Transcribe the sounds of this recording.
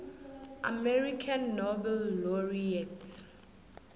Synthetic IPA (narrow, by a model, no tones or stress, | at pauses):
ʔa̰mɛɹikʰãnːɔbɛlːɔɹiɛt